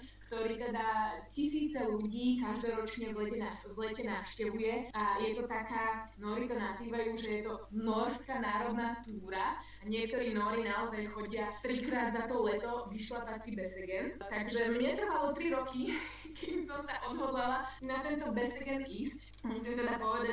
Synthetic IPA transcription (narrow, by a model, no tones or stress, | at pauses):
kt̪ɔɾiːt̪ɛd̪acisiːt͡sɛluɟiːkaʒd̪ɔɾɔt͡ʃɲɛʋlɛcɛnaʋlɛcɛnafʃcɛʋujɛajɛt̪ɔt̪akaːnɔːɾit̪ɔnaziːʋajuːʒɛjɛt̪ɔnɔɾskaːnaːɾɔd̪naːt̪uːɾa | aɲɪɛkt̪ɔɾiːnɔɾinaɔzajxɔɟɪat̪ɾikɾaːd̪zat̪ɔlɛt̪ɔʋiʃlapat͡sibɛsɛɡɛnt̪aɡʒɛmɲɛt̪r̩ʋalɔt̪ɾiɾɔkʰi | kʰimsɔmsaʔɔd̪ɦɔd̪lalanat̪ɛnt̪ɔbɛsɛɡɛnisc | musimt̪ɛd̪apɔʋɛd̪a